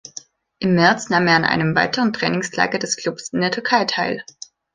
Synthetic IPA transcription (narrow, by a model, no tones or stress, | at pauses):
ʔɪmːɛɐt͡snaːmeːɐanʔa̰ɪnəmva̰ɪtəʁəntʁ̥ɛ̰ːnɪŋslʰa̰ːɡɐdɛskl̥ʊpsɪndeːɐtʰʏɐkʰaɪtʰaɪl